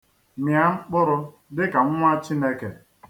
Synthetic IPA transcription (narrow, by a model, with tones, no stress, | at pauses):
mja˨ŋ͡m̩˦k͡pʊ˦ɾʊ˦ | dɪ˦ka˨ŋ̩˦ŋʷ˦a˦t͡ʃi˦ne˦ke˨